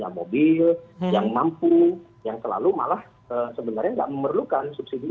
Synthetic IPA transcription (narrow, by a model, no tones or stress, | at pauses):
amobɪljaŋmampu | jaŋsəla̰luma̰lah | əsəbənarɲaŋɡa̰ʔməmərlukansup̚sidi